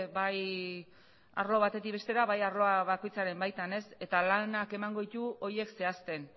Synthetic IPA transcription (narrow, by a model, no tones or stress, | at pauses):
baj | a̰ɾlo̞β̞at̪e̞t̪ikβe̞st̪e̞ɾaβajaɾlo̞aβako̞jt͡saɾe̞mbajt̪ane̞se̞t̪alanake̞maŋɡo̞ðit̪uo̞je̞kse̞ast̪e̞n